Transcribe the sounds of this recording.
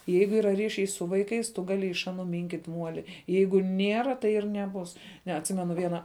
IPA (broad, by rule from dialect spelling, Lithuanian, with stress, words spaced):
ˈjɛɪɡʊ ˈiːrɐ ˈrʲiːʃʲɛɪ sʊ ˈʋɐɪˌkɐɪs tʊ ˈɡɑːlʲɪ ɪʃ ˈɑːˌnʊ ˈmʲɪŋʲkʲiːtʲ ˈmuɔlʲɪ ˈjɛɪɡʊ ˈnʲiɛrɐ tɐɪ ɪr nʲɛˈbʊs ˈnʲɛ ɐtʲˈsʲɪmʲɛnʊ ˈʋʲiɛnɐ